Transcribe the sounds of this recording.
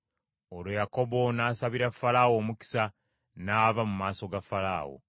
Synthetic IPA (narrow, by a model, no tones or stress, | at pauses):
oɾojako̞bo̞naːsaβiɾafalawo̞ːmuki̥sa | naːvamumaːso̞ɡafala̰ːwo̰